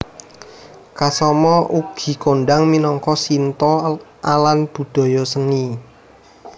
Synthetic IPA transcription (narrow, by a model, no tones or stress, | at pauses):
kasɔmɔʔuɡ̥i̤koɳɖaŋminɔŋkɔsint̪ɔʔalanb̥ṳd̪̥ɔ̤jɔsəni